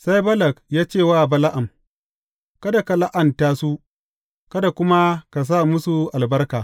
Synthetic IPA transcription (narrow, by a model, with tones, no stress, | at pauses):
sa˦jbɐ˦lɐ˨kjaː˦t͡ʃeː˦˨waː˦˨bɐ˦la˦ʔa˨m | kɐ˦da˨ka˨la˦ʔa˨ntaː˦su˦ | kɐ˦da˨kʷʊ˦ma˦ka˨s̬aː˦˨mʊ˦su˨ʔa˨lbɐ˦rkaː˨